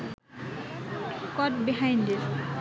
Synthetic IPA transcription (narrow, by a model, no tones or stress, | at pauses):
kɔt̚biɦãjndis